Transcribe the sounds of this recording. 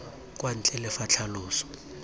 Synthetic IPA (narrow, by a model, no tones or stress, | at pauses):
k̬ʼwan̩t͡ɬʼɛlɛfat͡ɬʰaluːsɔ̥